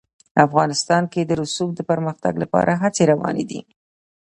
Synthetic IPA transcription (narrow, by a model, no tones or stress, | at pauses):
afɣɑnɪst̪ɑnked̪əɾʊsuk̚d̪əpəɾməxt̪a̰ɡlapɑ̰ɾʔaɦat͡seɾawɑ̰nḛd̪ḭ